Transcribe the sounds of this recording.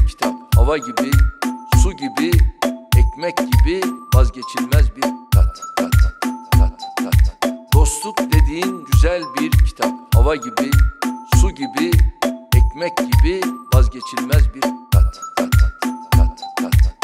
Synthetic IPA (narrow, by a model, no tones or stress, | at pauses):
cʰi̥t̪ʰaphavaɟibisuɟibiɛcmɛcɟibivazɟe̞t͡ʃʰlʲmɛzbiɾkʰat̪ʰat̪at̪d̪̥o̞slˠut̪̚d̪e̞d̪iːinɟyzælʲbiɾcʰi̥t̪ʰap̚havaɟibisuɟibiɛcmɛcɟibivazɟe̞t͡ʃʰilʲmɛzbiɾkʰat̪ʰat̪ʰat̪kʰat̪